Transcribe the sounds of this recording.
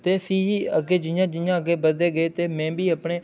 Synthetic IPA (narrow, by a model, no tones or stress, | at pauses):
t̪eːpʰiːɦiːəɡeːd͡ʒɪjãːd͡ʒɪjãːəɡeːbəd̪eːɡəeːt̪eːmɛ̃ːbiːəpɳeː